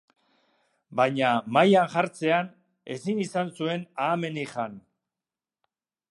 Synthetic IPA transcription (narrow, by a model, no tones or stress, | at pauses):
bajɲamajanʝaɾt͡se̞an | e̞sinisansue̞naːme̞nixan